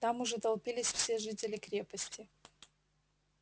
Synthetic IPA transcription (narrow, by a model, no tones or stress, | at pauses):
t̪amʊʐɛt̪ɐlˠpʲilʲɪsʲfsʲe̞ʐɨtʲɪlʲɪkɾʲe̞pəsʲtʲɪ